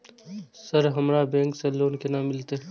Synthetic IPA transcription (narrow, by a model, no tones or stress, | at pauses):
sɐɾɦɐmɾaːbẽːŋkseloːnkenaːmːɪlt̪e